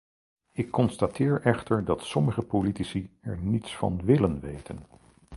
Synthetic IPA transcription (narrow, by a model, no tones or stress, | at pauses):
ɪkːɔnstatɪːɹʔɛχtəɹdɑtsɔməχəpolitisiɛɹnitsfɑ̰nʋɪlənʋḛjtʰə̰n